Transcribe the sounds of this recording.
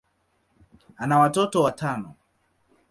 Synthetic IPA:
anawatotowatanɔ̰

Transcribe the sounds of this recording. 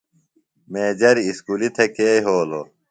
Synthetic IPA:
meːd͡ʑɐɾiiskuːlit̪ʰekeːjɦoːlo̰

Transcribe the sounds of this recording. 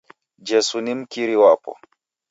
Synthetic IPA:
d͡ʒɛsunim̩kiɾiwapɔ̰

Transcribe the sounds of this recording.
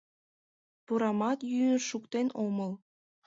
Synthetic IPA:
puɾɑmɑt̪jynəʃukt̪enoməl

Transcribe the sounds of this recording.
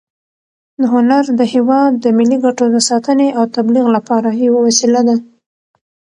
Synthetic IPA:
d̪əɦʊnaɾd̪əhewɑd̪ːəmɪlːiɡaʈod̪əsɑt̪əneʔawt̪abliɣlapɑɾajawawasilad̪a

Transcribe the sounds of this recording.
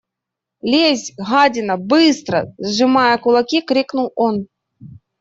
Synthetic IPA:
lʲezʲɣad͡zʲɪnɐbɨst̪ɾɐ̰zʐɨmajɐkʊlˠakʲikɾʲiknuwɔn

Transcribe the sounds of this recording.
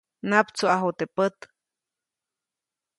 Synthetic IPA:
napt͡suaɦut̪epət̪

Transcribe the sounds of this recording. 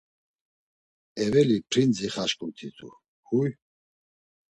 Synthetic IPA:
ɛvɛlipʰɾind͡ziχaʃkʼut̪ʰit̪ʰʼṵ | huj

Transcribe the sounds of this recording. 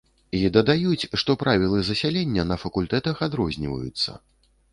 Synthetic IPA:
id̪ɐd̪ajut͡sʲʂt̪ɔpɾavʲilˠɨzɐsʲalʲɛnʲːɐnɐfɐkulʲt̪ɛt̪ɐxad̪ɾɔzʲnʲivɐ̰jṵt̪sːɐ̰

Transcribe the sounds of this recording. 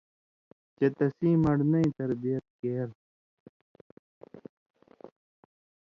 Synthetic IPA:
t͡ɕet̪ɐsiːmɐɽnɐĩt̪ɐɾbijɐt̪̚keːɾ

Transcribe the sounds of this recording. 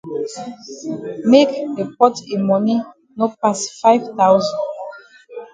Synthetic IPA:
mekdepɔtemɔni | nopasfaɪvtawzɔ̃n

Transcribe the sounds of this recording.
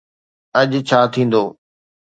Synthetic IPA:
ɐʄt͡ɕʰaːt̪ʰĩːn̆d̪oː

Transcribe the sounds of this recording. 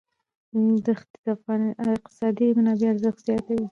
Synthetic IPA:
d̪əxt̪d̪afɣɑnɪq̚t̪ɪ̥sɑd̪imʊnɑbeaɾzəxt̪z̥jɑt̪awi

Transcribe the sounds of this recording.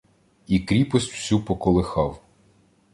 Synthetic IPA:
ikɾʲipɔsʲtʲw̥sʲupɔkɔlˠɪxɑw

